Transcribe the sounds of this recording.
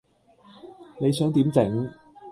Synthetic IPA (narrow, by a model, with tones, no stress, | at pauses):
ne˨˧jsœː˨˥ŋt̪iː˨˥mt͡sɪ˨˥ŋ